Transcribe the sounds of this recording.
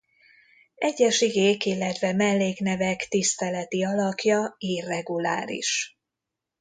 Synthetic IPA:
ɛɟːɛʃiɡeːkilːɛt̪vɛmɛlːeːkn̪ɛvɛkt̪ist̪ɛlɛt̪iɒlɒkjɒiːrɛɡula̰ːɾḭʃ

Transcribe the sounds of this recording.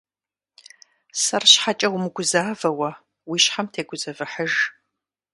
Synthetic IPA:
sɐrɕħat͡ʃʼɐwmɨɡʷʊzaːvɐwɐ | wiːɕħamtʰeːɡʷʊzɐvɨħəʒ

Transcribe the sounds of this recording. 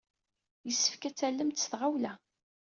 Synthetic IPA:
jəsːə̥fkæt͡sːælːəmt̪sθʁawlæ

